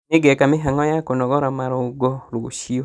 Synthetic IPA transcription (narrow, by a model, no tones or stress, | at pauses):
neɡɛkameɦaŋɔjakonɔɡɔɾamaɾɔuɡɔɾoʃiɔ